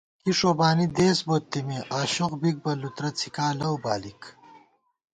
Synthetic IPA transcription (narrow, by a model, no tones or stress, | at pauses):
kiʂoːbaːnid̪eːsboːt̪ːimiʔaːɕoqbik̚bɐlut̪ɾɐt͡sʰikaːlɐwbaːlik